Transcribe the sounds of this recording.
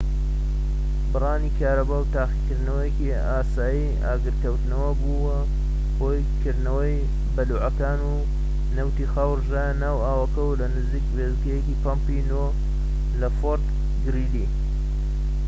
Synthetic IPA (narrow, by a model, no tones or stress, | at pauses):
bɨrˤɑːnikʰaːɾɐbawt̪aːxikɨɾd̪nɐwɐjeki | aːsaːji | a̰ːɡɨɾkɐwt̪nɐwɐbuwɐ | hoːj | kʰɨɾd̪nɐwɐj | bɐluːʕɐkaːnu | nɐwt̪ixaːwrʒaːjanaːwaːwɐkɐwlɐnɨziːkbeːzɡɐjekipampino | lɐfoɾt̪ | ɡɨɾiːli